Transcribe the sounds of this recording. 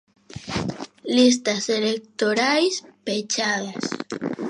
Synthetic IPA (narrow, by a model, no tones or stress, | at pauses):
lis̬t̪aselek̚t̪oɾajspet͡ʃaðas